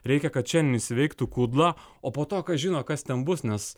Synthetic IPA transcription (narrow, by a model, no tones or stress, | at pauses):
ɾʲɛɪkʲɛkɐt̪̚t͡ʃʲɛnnʲɪsʲɪʋʲɛɪkt̪ukuːd̪lˠɑoːpoːt̪oːkɐʒʲiːnoːkɐst̪ʲɛnbʊsnʲɛs